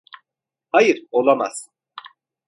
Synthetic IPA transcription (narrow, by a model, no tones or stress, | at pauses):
hajɨɾolˠama̰z̥